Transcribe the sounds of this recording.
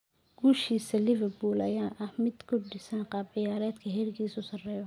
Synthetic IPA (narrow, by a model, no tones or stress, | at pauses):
ɡ̥uːʃiːsɐlɪvɛrbuːlʔɐ̰jaːʔɐhmɪd̪kʰʊɖɪsɐnqɑːbɪjaːɾɛːd̪kʰɐɦɛːrkʰiːsʊsɐrɛːjɔ